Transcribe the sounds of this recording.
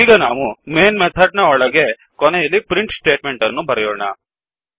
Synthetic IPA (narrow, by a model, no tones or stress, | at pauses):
iːɡɐnaːʋumeːnmɛt̪ʰɐɖnɐɔɭɐɡe̞ | kɔnɛjɐlːipɾiɳʈsʈe̞ːʈmeɳʈɐnːubɐɾɛjɔːɳɐ